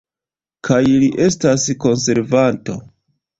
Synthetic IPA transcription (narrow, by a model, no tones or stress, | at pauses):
kʰajliʔe̞stasko̞nse̞ɾvanto̞̰